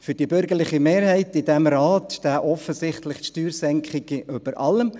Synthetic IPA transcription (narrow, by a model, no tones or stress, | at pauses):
fʏd̥ibʏɾɡəɾlɪχimeːɾhɛɪtɪdɛmɾaːtʃtæːʔɔfəsɪχtlɪχtʃtyːɾsɛŋkχɪɡ̥əʔʏb̥əɾʔɑləm